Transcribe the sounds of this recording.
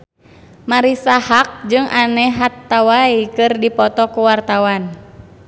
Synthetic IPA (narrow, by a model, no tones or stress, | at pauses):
maɾisahak̚d͡ʒɨŋʔanɛɦat̪ːawaikɨrdipɔt̪ɔkuwart̪awan